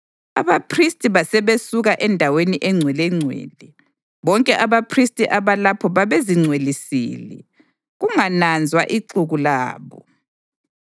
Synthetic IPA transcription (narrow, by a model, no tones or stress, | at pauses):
a̰βapʰristʼiβasɛβesuɣaʔɛndʱaweniʔɛŋ͡ǀʱwɛlɛŋ͡ǀʱwḛːlɛ | βɔŋkʼɛʔaβapʰristʼiʔaβalapʰɔβaβeziŋ͡ǀʱwelisḭːlɛ̰ | ɣuŋanand͡zʱwaʔiǀuɣulaːβɔ